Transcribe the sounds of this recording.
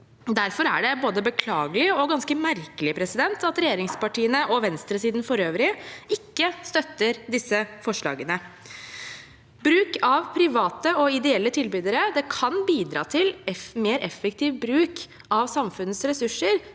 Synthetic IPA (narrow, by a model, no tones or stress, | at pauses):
d̪æɾfɔɾæ̰ɖɛboːd̪əbəkʰlɑːɡəlɪɔɡɑnskəmæɾkəlɪpʰɾɛsɪd̪ɛnt̪ɑt̪ɾɛjeːɾɪŋspɑʈiːənəʔɔʋɛnst̪ɾəsiːd̪n̩fɔɾøːʋɾɪɪkːəst̪œt̪ːəɾd̪ɪsːəfɔʂɭɑ̰ːɡənə | bɾʉːkɑʋpʰɾɪʋɑːt̪əɔɪd̪ɛɛlːət̪ʰɪlbyːd̪əɾəd̪ɛkʰɑnbiːd̪ɾɑ̰ːt̪ʰɪlɛmeːɾʔɛfɛkt̪iːʋbɾʉːk | ɑʋsɑmfʉnəsɾɛsʉʂːəɾ